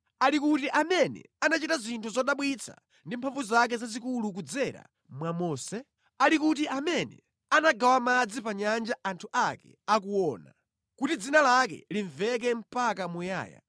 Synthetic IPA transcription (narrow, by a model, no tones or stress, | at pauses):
alikutiʔamɛnɛ̰anat͡ʃitazintʰuzɔɗaɓwit͡sʰa̰ | ndimpʰaɱvuzak̬ɛzazikuluk̬ud͡zɛɾa̰ | mwamɔːsɛ | alikut̬iʔamɛnɛ̰ | anaɡawamad͡zipaɲand͡ʒaʔantʰuʔakɛ̰ | akuwɔːna̰ | kutid͡zinalakɛ̰liɱvɛk̬ɛm̩pakamuja̰ːja̰